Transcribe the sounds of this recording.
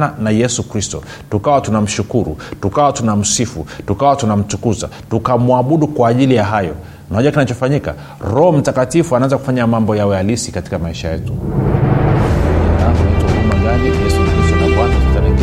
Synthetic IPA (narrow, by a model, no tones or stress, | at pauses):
nanajɛsukɾistɔ̰ | tukawatunam̩ʃukuɾṵtukawatunam̩sifutukawatunam̩tukuza̰tukamuaɓuɗukwaːʄilijaɦajɔ̰ | nahɔʄuwakinat͡ʃɔfaɲika̰ | ɾɔhɔm̩takatifuanaanzaku̥faɲamambɔjawɛjalisikati̥kamaiʃajɛtu | akunaitɔmumaɡanijɛsukɾistɔnakwatalɛ